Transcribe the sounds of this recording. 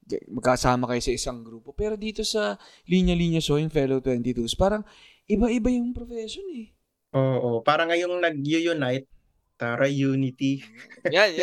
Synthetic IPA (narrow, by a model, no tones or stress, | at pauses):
ɐ̰mɐɡ̚kːɐkɐsaːmɐkɐjo̞sɐʔɪsɐŋɡɾuːpo̞pɛːɾo̞d̪iːt̪o̞sɐ | liɲɐliːɲɐsojʊŋfɛlot̪wɛnt̪ɪt̪uspaːɾɐŋ | ʔɪbaʔɪbajʊŋpɾofɛːʃonɛ | ʔoʔopaːɾɐŋɐjoŋnɐɡ̚jʊjʊnajt̪̚ː | aɾɐjuːnɪt̪ijan